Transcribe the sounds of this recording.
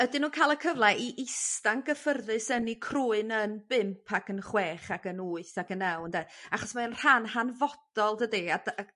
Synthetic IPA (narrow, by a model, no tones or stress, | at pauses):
ədɪnuːnkʰaːjlˠəkʰəvlˠɛʔiʔɪstaŋɡəfərðɨsənikʰruːɨnənb̥ɪmpʰaɡənχweːχaɡənuːɨθaɡənɛwndaaχɔsmaənr̥anhanvɔd̥ɔlˠdədiada